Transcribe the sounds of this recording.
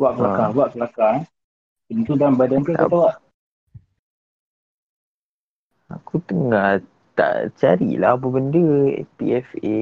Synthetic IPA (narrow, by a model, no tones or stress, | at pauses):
waʔkəlakaŋuaʔkəlakaŋ | pənt̪udanbadank̪ukat̪awaʔ | a̰kut̪əŋa | t̪a̰ʔt͡ʃaɾḭlabəbəndə̰pḭɛfe